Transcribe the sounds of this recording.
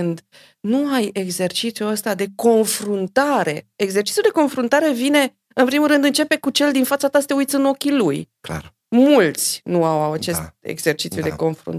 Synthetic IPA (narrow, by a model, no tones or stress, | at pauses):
ɨnd̪ | nuajeɡze̞rt͡ʃit̪sijuəst̪ad̪e̞ko̞nfɾunt̪aɾe̞eɡze̞rt͡ʃit̪sjud̪e̞ko̞nfɾunt̪aɾe̞vine̞ | ɨnpɾimulɾɨnd̪ɨnt͡ʃe̞pe̞kut͡ʃe̞ld̪infat̪sat̪asə̥t̪eujt̪sʲɨno̞kʲiluj | mult̪sʲnuawawat͡ʃe̞st̪̚e̞̰ɡze̞rt͡ʃit̪sjud̪e̞ko̞nfɾṵnt̪